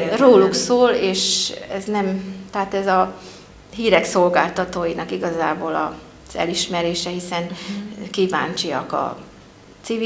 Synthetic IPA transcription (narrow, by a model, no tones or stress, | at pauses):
roːluksoːleːʃɛznɛmt̪ɛɦat̪ɛzɒ | ɦiːɾɛkso̞lɡaːlt̪ɒt̪oːjinɒkiɡɒzaːboːlɒ̰ | z̥ɛ̰liʃmɛɾeːʃɛɦisɛnkiːva̰ːnt͡ʃijɒ̰kɒ̰ | t̪siv